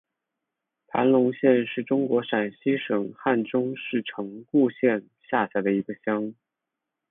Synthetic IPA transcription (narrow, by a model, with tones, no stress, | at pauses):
pʰa̰˧˥nlʊ˧˥ŋɕjɛ˥˧nʂɻ̩˥˩ʈ͡ʂʊ˥ŋkwɔ˧˥ʂa˨˩nɕi˥ʂɤ˨˩ŋxa˥˩nʈ͡ʂʊ˥ŋʂɻ̩˥˩ʈ͡ʂʰɤ˧˥ŋku˥˧ɕjɛ˥˧n | ɕja˥˩ɕa˧˥ɪd̪ə˧i˧˥ɡə˧ɕjɑ˥ŋ